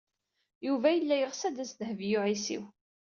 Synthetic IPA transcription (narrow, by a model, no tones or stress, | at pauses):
juvæjəlːæjəʁsæd̪æsðhvjʊʕisḭw